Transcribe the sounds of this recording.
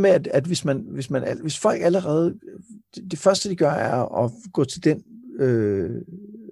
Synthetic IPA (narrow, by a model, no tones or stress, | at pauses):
meæd̥æd̥ʋe̝smænʋe̝smænæʋe̝sfɒ̽l̰ɡ̥æləʁɛːð̞̩ˠd̥d̥e̝fɶɐsd̥əd̥iɡ̥ɶɐæɐɒ̽ɡ̥ɔ̰̽ːt͡sʰe̝ld̥enø